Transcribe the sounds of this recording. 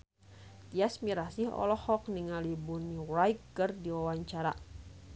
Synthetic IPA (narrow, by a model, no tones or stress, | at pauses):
t̪iasmiɾasiɦɔ̰lɔhɔkniŋalibunirajkːɨrdiwawaɲt͡ʃaɾa̰